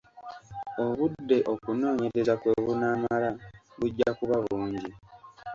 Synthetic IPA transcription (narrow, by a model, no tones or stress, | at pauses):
o̞βuddːe̞ʔo̞kuno̞ːɲe̞ɾe̞zakwe̞ːβunaːmala | βuɟːakuβaβuːɲɟi